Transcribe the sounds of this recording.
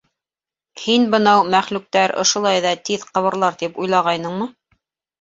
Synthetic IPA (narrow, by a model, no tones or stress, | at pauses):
hinbɤ̆nɑwmæχlʉk̚t̪æɾŏ̰ʃŏlˠɑjðɑt̪iðqɤ̆βɤ̆ɾlˠɑɾt̪ipujlˠɑʁɑjnɤɴmɤ